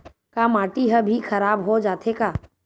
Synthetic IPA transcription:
kamaːʈiɦəbʱixʰəɾaːbɦod͡ʒaːt̪ʰekaː

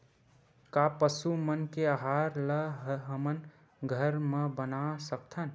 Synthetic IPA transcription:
kapəsumənkeaɦaɾləɦɦəmən | ɡʱəɾmebənasək̚t̪ʰən

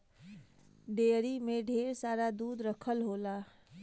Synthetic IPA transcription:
ɖeːɾimeɖʱeːɾsaːɾad̪uːd̪ɾəkʰəlɦoːla

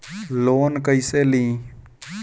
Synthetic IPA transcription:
loːnkəiseːlĩː

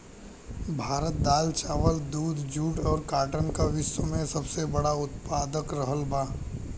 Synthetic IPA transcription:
bʱaːɾət̪̚d̪aːlt͡ʃaːʋəld̪uːd̪ʱd͡ʒuːʈɔːɾkaːʈə̃nkaʋɪsəmẽsɐbsebɐɽaʊt̪paːd̪əkɾəɦəlbaː

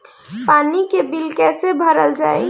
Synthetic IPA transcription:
paːnikebɪlkɛːsebʱəɾəld͡ʒa̰ːḛ

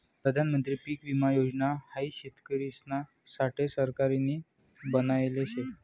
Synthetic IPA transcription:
pɾəd̪ʱanmənt̪ɾiːpiːkʋimajod͡ʑnahaiɕet̪kəɾisna | saʈʰesəɾkaɾini | bənajleɕe

